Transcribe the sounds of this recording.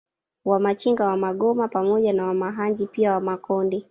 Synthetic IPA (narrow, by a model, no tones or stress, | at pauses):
wamat͡ʃiŋɡawamaɠɔmapamɔʄanawamaɦaɲd͡ʒipiawamakɔndi